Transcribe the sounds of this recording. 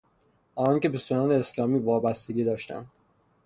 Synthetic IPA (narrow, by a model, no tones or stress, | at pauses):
ʔɒːnɒːŋcebesoɒːneːslɒːmiːvɒːbæst̪e̞ɡɟiːd̪ɒːʃt̪æ̰nd̪̥